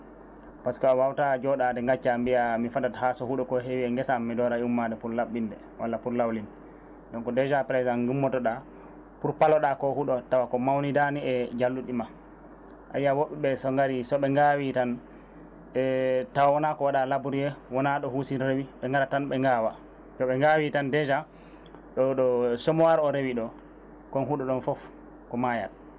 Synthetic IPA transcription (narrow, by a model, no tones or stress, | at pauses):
paskɔawawtad͡ʒɔɗadɛŋɡat͡ʃːambiamifadathasɔhuɗɔkɔɦewiɛŋɡɛsaːmːidɔɾaumːadɛpuɾlaɓːindɛ | wʔalːapuɾlawlinɛ | dɔŋkɔdɛd͡ʒapɾɛzanɡumːɔtɔɗa | puɾpalɔɗakɔhuɗɔtawakɔmawnidaniɛd͡ʒalːuɗima | ʔajːawoɓɛɓɛsɔŋɡaɾisɔɓɛŋɡawitan | ɛtawawɔnakɔwaɗalabuɾjɛwɔnaɗɔhusinɾewiɓɛŋɡaɾatanɓɛŋɡaːwa | tɔɓɛŋɡawitandɛd͡ʒa | ɗɔɗɔsɔmɔwaɾɔɾewiɗɔ | kɔnɦuɗɔɗɔnfɔf | kɔmaja̰d